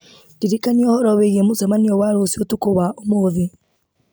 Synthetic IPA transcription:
ndiɾikaniɔhɔɾɔβejiemozɛmaniɔwaɾosiotukoβaomoːði

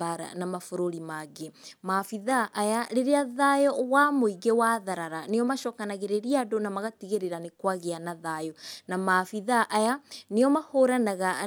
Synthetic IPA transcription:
aɾa̰namafoɾoɾimaɡemafiðaʔːjaɾeɾeaðajɔwamoiɡewaðaɾaɾaneɔmaʃɔkanaɣeɾeɾiadonamaɣatiɣeɾeɾanekwaɣeanaðajɔnamafiðaʔajaneɔmahoɾanaɣa

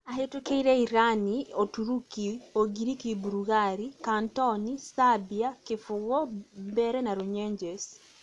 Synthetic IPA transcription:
aɦetukeiɾɛiɾaniotuɾukioɡiɾikibuɾuɣaɾikantɔnisabiakɪfʊɣɔbɛɾɛnaɾoɲɛɲd͡ʒɛs

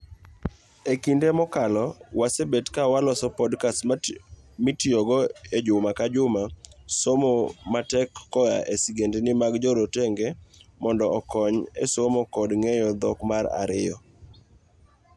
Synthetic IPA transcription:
ekindemɔkalɔwasebetkawalɔsɔpɔdkas | mɪtioɡɔed͡ʒʊmakad͡ʒʊmasomomatɛkːɔjaʔesiɡendenɪmaɡd͡ʒɔɾoteŋɡemɔndɔːkɔɲesomokɔdŋejɔd̪ɔkmaɾa̰ɾɪjɔ

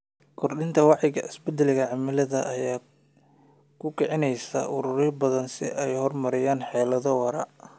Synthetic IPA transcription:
kʰɔrɗɪnt̪ʰɐwɑʕjɪɣɐ̰ɪsbɛd̪ɛlɪɣɐʕɑmɪlɐðɐʔːjaː | kʰʊkʰɛʕɪnɛjsɐ̰ʔʊɾʊɾɪbɐðɐnsɪ̰ʔɛjhɔrmɐɾɛjaːnħɛːlɐðɔwɐɾɐ̰

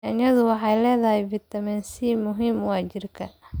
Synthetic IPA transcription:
ɐnjɐðʊwɑħɑjlɛːðɐhɛbɪt̪ʰɐmɛːnsimʊɦimwaːt͡ʃɪrkʰɐ

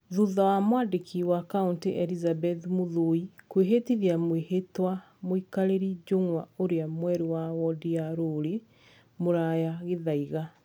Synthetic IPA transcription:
ðuðawamwadekʰiwakaunteʔɛlizabɛθmoðoikweɦetiðjamwehetwa | moikaɾeɾid͡ʒoŋwaoɾeamwɛɾewawɔdiaɾoɾe | moɾajaɣeðaiɣa

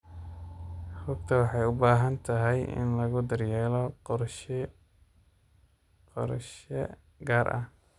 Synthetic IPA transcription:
hʊɡ̚t̪ʰɐwɑħɑjʊbaːɦɐnt̪ʰɐɦɛjɪ̰nlɐɣʊd̪ɐrjɛːlɔ | qɔ̰ɾʃɛ | ɡaːɾʔɐ̰h

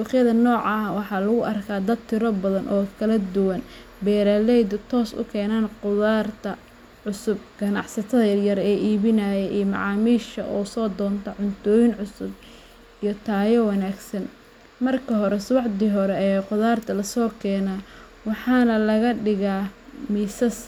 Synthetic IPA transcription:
wɑχjɐðɐnɔːʕɑwɑħɑːlɐɣʊʔɐrkʰaːd̪ɐd̪̚t̪ʰɪɾɔbɐðɐnʔɔːkʰɐlɐd̪ʊwɐn | bɛːɾaːlɛjd̪ʊt̪ʰɔːsʊ̰kʰɛːnaːnqʊðaːrt̪ʰɐ | ʕʊsʊb̚ɡ̥ɐnɑ̰ʕsɐt̪ʰɐðɐjɐɾɛːʔiːβɪnajɛʔiːmɑ̰ʕɑːmiːʃɐʔɔːsɔːd̪ɔːnt̪ʰɐʕʊnt̪ʰɔːjɪnʕʊsʊb̚ | ʔijɔt̪ʰaːjɔwɑnaːɡsɐn | mɐrkʰɐɦɔɾɛswɑʕd̪iɦɔɾɛɛːqʊðaːrt̪ʰɐlɐsɔːkʰɛːnaː | wɑħɑːnɐlɐɣɐɖɪɣaːmiːsɐs

